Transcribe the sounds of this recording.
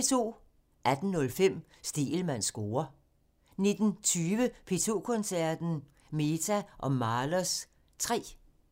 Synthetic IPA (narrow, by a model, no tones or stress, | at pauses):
et͡sʰo̝̰ː | ʔæd̥n̩nɔ̽lfem̰ | sd̥ḭːl̩mæn̰sɡ̥o̝ːɐ | ne̝d̥n̩t͡sʰyːʋəpʰe̝t͡sʰo̝ːkʰɔ̽nsæɐ̰d̥n̩ | me̝t͡sʰæʔɒ̽mɑ̈lɐs | t͡sʰʁɛ̰ː